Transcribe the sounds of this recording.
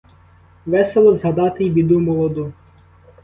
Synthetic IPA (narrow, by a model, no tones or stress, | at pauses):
ʋɛselˠɔzɦɐd̪ɑt̪ɪbʲid̪umɔlˠɔd̪u